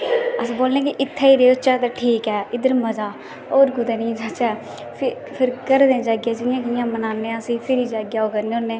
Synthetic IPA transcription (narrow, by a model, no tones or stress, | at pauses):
əsĩːboːlẽːk̬ɪʔɪt̪ʰːɛːiːɾeːot͡ʃɛːt̪aːʈʰiːkɛːɪd̪əɾməd͡ʒaː | oːɾɡʊd̪eːnĩːd͡ʒaːt͡ʃɛː | pʰɪɾkəɾd̪ẽːd͡ʒaːɡjaːd͡ʒɪjãːkɪjãːmənaːnːẽːəsĩːpʰɪɾiːd͡ʒaːɡjaːoːkəɾneonẽː